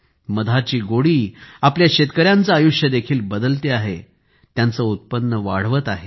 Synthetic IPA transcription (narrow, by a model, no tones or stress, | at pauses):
məd̪ʱat͡ɕiːɡoɽiːapljaɕet̪kəɾjant͡saːjuʂjəd̪ekʰiːlbəd̪əlt̪eaɦḛ | t̪jant͡səut̪̚pənːəʋa̰ɽ̤ʋət̪aɦe